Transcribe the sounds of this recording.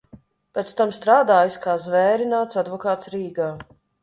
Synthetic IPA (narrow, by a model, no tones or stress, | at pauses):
pʲɛt̪st̪amst̪ɾaːd̪aːjskaːzvɛːɾinaːt̪sad̪vɔkaːt̪sɾiːɡaː